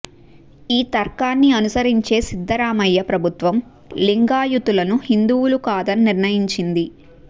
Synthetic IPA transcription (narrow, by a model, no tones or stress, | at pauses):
iːt̪ɐɾkaːnːiɐnusɐɾiɲt͡ʃe̞ːsid̪ʱːɐɾaːmɐjːɐpɾɐbʱut̪ʋɐm | liŋɡaːjut̪ulɐnuhind̪uwulukaːd̪ɐnːiɾnɐjiɲt͡ʃind̪i